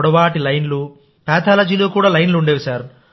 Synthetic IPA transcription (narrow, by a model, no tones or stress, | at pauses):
ɽɐʋaːʈilɐjnlu | pɛːt̪ʰaːlɐd͡ʒiːloːkuːɽaːlɐjnluuɳɖeːʋisaːɾ